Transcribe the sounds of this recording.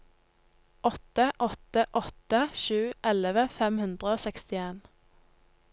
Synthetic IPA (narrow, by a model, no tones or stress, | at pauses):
ʔɔt̪əʔɔt̪əʔɔt̪əʃʉːʔɛləʋəfɛmhʉnd̪ʁəoːsɛkst̪ɪeːn